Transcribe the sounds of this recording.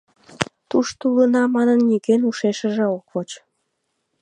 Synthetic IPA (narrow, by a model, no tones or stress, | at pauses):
t̪uʃt̪ulənɑmɑnənːikenuʃeʃəʒeokvot͡ɕ